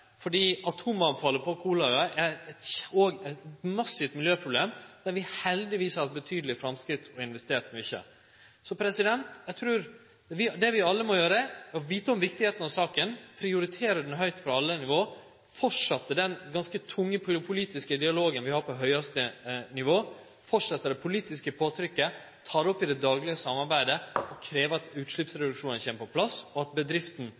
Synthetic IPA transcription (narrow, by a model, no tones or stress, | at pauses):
fɔɖiːɑt̪ʰuːmɑʋfɑːlːəpʰɔkʰuːlɑʉɑʔɛɾɛt̪oːɡɛɪt̪mɑsːɪt̪mɪljøːpʰɾʊbleːmd̪̥æɾʋɪhɛld̪ɪʋiːshɑɾt̪bət̪ʰyːd̪əlɪfɾɑmskɾɪt̪ːʰɔɪnʋɛsɪ̥t̪eːt̪mɛʏçːə̰ | sɔpʰɾɛsɪd̪ɛnt̪jæɡt̪ʰɾʉːɾ | ʋɪd̪ɛʋɪɑlːəmɔjøːɾəɔʋiːt̪əɔmʋɪk̚t̪ɪheːt̪ənɑʋsɑːkənpʰɾɪʊɾɪt̪ʰeːɾəɖn̩ɦœʏt̪fɾɑɑlːənɪʋoː | fɔʈʂɑt̪ːəɖ̪ɛnɡɑnskət̪ʰʊŋːəpʰpʰʊliːt̪ɪskəd̪ɪɑloːɡənʋɪhɑɾpʰɔɦœʏɑst̪ənɪʋoː | fɔʈʂɑt̪ːəɖɛpʰʊliːt̪ɪskəpʰoːt̪ʰɾʏkːə | t̪ʰɑːɾɔpːɪd̪ɛd̪ɑːɡlɪɡəsɑmːɑɾbæɪd̪əɔkʰɾeːʋəɑt̪ʉːt̪ʂlɪpsɾɛd̪ʉkʂuːnənçeːməpʰɔpʰlɑsɔɑt̪̚bəd̪ɾɪft̪n̩